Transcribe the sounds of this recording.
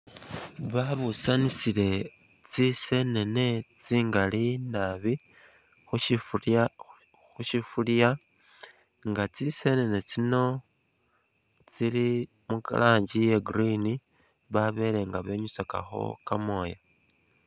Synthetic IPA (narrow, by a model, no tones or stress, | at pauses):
βaβusanisile̞ | t͡sise̞ne̞ne̞t͡siːŋɡalinaβi | xuʃi | xuʃifulja | ŋɡat͡sise̞ne̞ne̞t͡sino̞ | t͡sili | muka̰lʔaːɲɟije̞ɡɾini | βaβe̞le̞ŋɡaβe̞ɲusaka̰xo̞̰kamo̞ːja